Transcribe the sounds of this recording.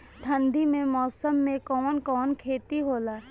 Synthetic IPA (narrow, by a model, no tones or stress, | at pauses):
t̪ʰə̃nd̪ʱimẽmɔːsəmːẽkɔːnkɔːnkʰeːt̪iɦoːlaː